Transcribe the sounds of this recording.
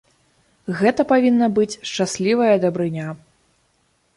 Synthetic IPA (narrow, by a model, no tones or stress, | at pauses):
ɣɛt̪ɐpavʲinːɐbɨt͡sʲʂt͡ʂasʲlʲivɐjɐd̪ɐbɾɨnʲa